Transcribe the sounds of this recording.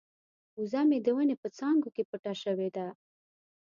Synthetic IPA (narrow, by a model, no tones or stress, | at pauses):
uzɑmed̪əwənepət͡sɑŋɡokepəʈaʃəwed̪a